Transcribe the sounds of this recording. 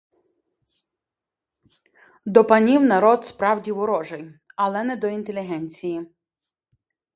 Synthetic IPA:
d̪ɔpɐnʲiwnɐɾɔd̪spɾɑwdʲiwɔɾɔʒejɐlˠɛnɛd̪ɔint̪elʲiɦɛnʲt͡sʲiji

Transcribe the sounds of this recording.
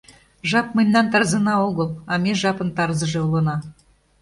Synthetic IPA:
ʒɑp̚məjnʲːɑnt̪ɑɾzɤ̆nɑoɣəlˠɑmeʒɑpənt̪ɑrzɤ̆ʒĕulɤ̆nɑ

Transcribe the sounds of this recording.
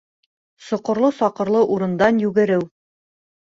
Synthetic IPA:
sŏqŏɾlˠɤsɒqɤ̆ɾlˠɤʔuɾɤ̆nd̪ɑnjʉɡɘ̆ɾɘw

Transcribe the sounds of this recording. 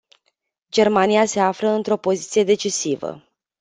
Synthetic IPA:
d͡ʒe̞rmanijase̞afɾəɨnt̪ɾo̞po̞zit̪sije̞d̪e̞t͡ʃisivə̰

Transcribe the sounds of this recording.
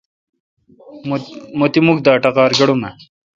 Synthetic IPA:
mot̪imukd̪aːʈɐqaːɾɡɐɽume

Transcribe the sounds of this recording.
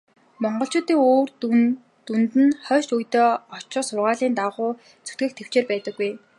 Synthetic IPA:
mɔɴɢɞ̆ɬt͡ɕʊːt̪iːŋoːr | t̪unt̪ɘ̆nχœːʃujt̪eːɔt͡ɕɔːsʊrʁaːɮiːnt̪aʁʊː | t͡sʰu̥t̪ɡɘ̆k̚t̪ʰew̥t͡ɕeːrpæːt̪ə̆kːuj

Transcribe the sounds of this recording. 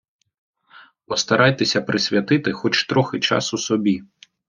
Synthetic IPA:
pɔst̪ɐɾʔɑjt̪esʲɐpɾʔɪsʲʋʲjɐt̪ɪt̪ɪxɔt͡ʃt̪ɾɔxɪt͡ʃɑ̰susɔbʲi

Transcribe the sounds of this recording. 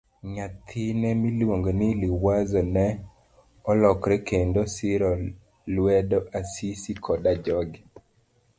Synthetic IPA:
ɲat̪ʰɪnɛmilwoŋɡnɪliwazɔnɛ | ɔlɔkɾɛkendosɪɾɔ | lwɛdɔʔasisikʰɔdad͡ʒɔɡi

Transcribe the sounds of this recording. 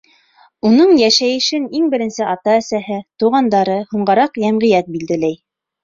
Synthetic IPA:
unɤɴjæʃæjɘ̆ʃɘniŋbɘ̆ɾɘ̆nsɘʔɑt̪ɑæsæɦɘt̪uʁɑnd̪ɑɾɤhuɴɢɑɾɑqjæmʁɘ̆jæt̪̚bild̪ɘ̆læj

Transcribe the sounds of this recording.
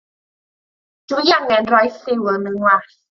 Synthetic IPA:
d͡ʒujaŋɛnɾɔjsiwənɯŋwa

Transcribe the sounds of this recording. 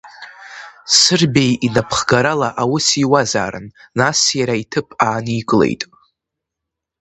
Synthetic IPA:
sɨrbejinapʰχɡaɾalaʔawʊsiwaza̰ːɾɨ̰nnasjaɾaitʰɨpʰaːniɡʼlḛjtʼ

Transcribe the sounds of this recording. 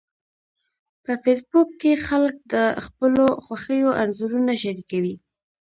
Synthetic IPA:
pəfes̬bʊkːexalək̚d̪əxpəloxwaxəjoʔanzuɾunaʃaɾikawi

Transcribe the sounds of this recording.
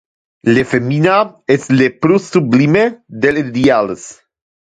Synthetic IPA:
lefeminaeslepɾusublimed̪eled̪ials

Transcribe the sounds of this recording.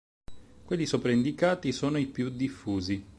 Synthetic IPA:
kwelːisopɾaind̪ikaːt̪isoːnoipjud̪ifːuːzi

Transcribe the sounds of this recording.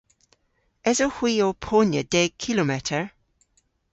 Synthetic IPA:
ɛzohwiːopʰonjə̰d̥ɛɡ̚kʰɪlomɛtʰəɹ

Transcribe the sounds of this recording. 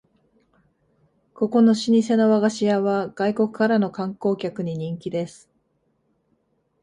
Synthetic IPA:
ko̞ko̞no̞ɕiɲ̟is̬e̞no̞βaɡaɕijaβaɡ̥aiko̞kɯ̟̥kaɾano̞kãŋko̞ːkʲakɯ̟ɲ̟iɲ̟ĩŋkʲid̪e̞sɨ̥

